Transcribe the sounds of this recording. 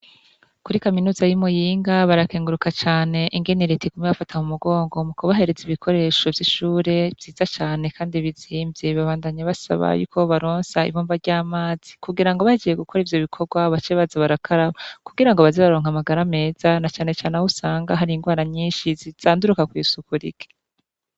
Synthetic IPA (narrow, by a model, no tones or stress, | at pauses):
kuɾikaminuːzajimujiːŋɡaβaɾakeːŋɡuɾukat͡ʃaːne̞ʔiŋɡe̞niɾeteɡumɲeβafatʰamumuɡo̞ːŋɡo̞mukʰoβaɦe̞ɾe̞ziβikʰo̞ɾe̞ʃo̞vjiʃuːɾe̞vziːzat͡ʃaːne̞kʰaːndiβiziːmbjeβaβaːndaɲaβasa̰βa̰jṵːkʰo̞βaɾo̞ːnsaḭβoːɱvaɾɟaːmaːz̥ikuɡiɾaŋɡo̞βahiɡije̞ɡukʰo̞ɾivjo̞βikʰo̞ɡwaβat͡ʃeβazaβaɾakʰaɾaβakuɡiɾaŋɡoβazeβaɾoːŋamaɡaɾame̞ːzanat͡ʃaːne̞t͡ʃaːnahusaːŋɡaɦaɾiiŋɡwaːɾaɲiːnʃiziz̥aːnduɾukakwisukuɾḭke̥